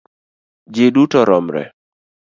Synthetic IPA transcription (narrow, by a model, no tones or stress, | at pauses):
d͡ʒedutɔɾɔmɾɛ̰